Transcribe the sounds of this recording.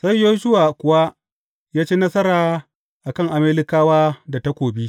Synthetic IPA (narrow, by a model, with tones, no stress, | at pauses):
sa˦˨jːoː˦ʃʊ˦waː˨kʷʊ˨wa˦ | jaː˦t͡ʃeː˦nɐ˦sɐ˦ɾaː˨ | ʔa˨kɐ˦˨ŋʔa˨meː˦lɪ˦kaː˦waː˦da˨ta˦kʷoː˨bi˦